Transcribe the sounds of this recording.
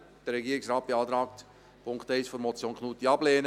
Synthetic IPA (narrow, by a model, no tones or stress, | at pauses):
d̥əɾːɛɡiːɾɪksɾɑːt̚b̥eɑːt̪ɾɑːk̚t̪ | pʰʊŋktɛɪsfɔɾmɔt͡sjoːnkʰnuːt̪iɑbleːnə